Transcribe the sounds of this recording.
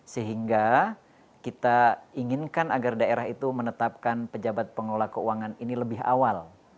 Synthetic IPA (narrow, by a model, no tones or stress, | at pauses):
səɦiŋɡa | kit̪aiŋɪnkanaɡardaeɾaɦit̪umənət̪ap̚kanpəd͡ʒabat̪̚pəŋlolakəuaŋaniniləbɪɦa̰wal